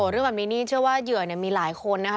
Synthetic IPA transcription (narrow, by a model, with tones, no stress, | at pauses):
o˧˩˦ɾɯ˥˩ŋbɛ˨˩niː˦˥niː˥˩t͡ɕʰɯ˥˩əwaː˥˩jɯ˨˩əni˨˩əmiː˧laː˩˦jkʰo˧nːa˦˥kʰ